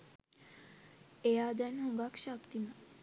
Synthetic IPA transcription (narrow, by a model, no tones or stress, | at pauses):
ejaːd̪ænɦoŋɡakʃakt̪ima